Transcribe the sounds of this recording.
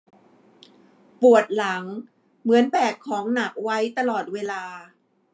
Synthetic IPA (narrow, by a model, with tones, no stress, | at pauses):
pu˨˩ət̪̚la˩˦ŋ | mɯ˩˦ənbɛː˨˩kʰːɔː˩˦ŋna˨˩k̚wa˦˥jt̪a˧lɔː˨˩t̪̚weː˧laː˧